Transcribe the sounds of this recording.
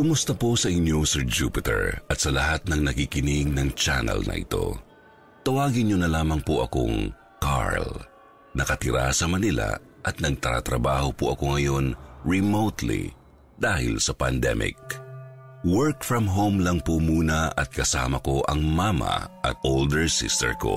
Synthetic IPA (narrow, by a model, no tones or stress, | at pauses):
kʊmʊst̪ɐposɐʔɪɲjosɛɹd͡ʒuːpɪt̪ɛ̰ɹʔɐt̪sɐlɐhat̪̚nɐŋnɐkikɪnɪɡ̚nɐŋt͡ʃa̰nɛ̰lnʔɐ̰ʔɪ̰t̪o̞̰ | t̪ɐwaːɡɪnɲɲonɐlaːmɐŋpoʔɐko̰ŋ | ka̰ɹl | nɐkɐt̪ɪɾa̰sɐmɐnila̰ | ʔɐt̪̚nɐɡ̚t̪ɐɾa̰t̪ɾɐbaːho̞pʊʔɐko̞ŋɐjo̞nɹɛmowt̪lḭ | d̪aːhɪ̰lsɐpɐnd̪ɛ̰mʔɪ̰k̚ | wɛɹkfɹɐmɦowmlɐŋpomuːnɐʔɐt̪̚kɐsa̰ːmɐko̞ʔɐŋmaːmɐ̰ʔɐ̰t̪̚old̪ɛɹsɪ̰st̪ɛ̰ɹko̞̰